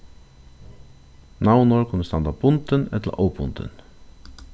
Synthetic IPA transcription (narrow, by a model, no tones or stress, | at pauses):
nawnɔɹkunəst̪ɑnd̪apʊnt̪ənɛ̰t̪la̰ʔopʊ̰nt̪ə̰n